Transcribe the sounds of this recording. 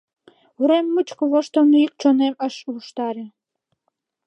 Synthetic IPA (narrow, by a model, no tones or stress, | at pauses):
uɾemːut͡ɕkə̆βoʃt̪onuik̚t͡ɕoneməʃuʃt̪ɑɾĕ